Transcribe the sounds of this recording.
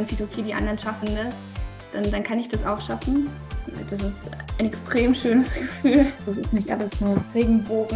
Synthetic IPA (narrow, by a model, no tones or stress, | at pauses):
ansiːtokʰeːdiːʔa̰ndɐnʃafn̩das | d̥andankʰanɪçd̥asaʊxʃafn̩ | na̰d̥as̬ɪstaɪnɛkstʁ̥eːmʃøːnəsɡ̥əfyːld̥as̬ɪstnɪçtʔa̰ləsnuɐʁeːɡŋ̩boːɡŋ̩